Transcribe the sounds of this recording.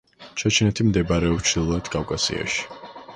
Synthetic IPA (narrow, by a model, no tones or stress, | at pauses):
t͡ʃʰat͡ʃʰinɛt̪ʰimd̪ɛbaɾɛɔpt͡ʃʰd̪ilˠad̪kʼavkʼasḭa̰ʃi̥